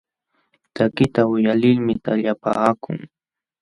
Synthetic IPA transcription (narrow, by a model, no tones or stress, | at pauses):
t̪akɪt̪aʊjalɪlmɪt̪aʎapaːkʊ̰ŋ